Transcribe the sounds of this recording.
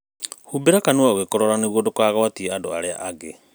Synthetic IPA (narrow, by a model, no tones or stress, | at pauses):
hubeɾakanewaɣekɔɾɔɾaneβwodokwaːɣawatieado̰a̰ɾea̰ʔaɡe